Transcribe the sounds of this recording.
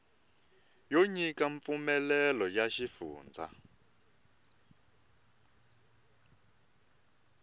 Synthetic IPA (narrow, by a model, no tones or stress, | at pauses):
joɲikaɱp̪fumɛlɛlɔjaʃifuːnd͡zʱa̰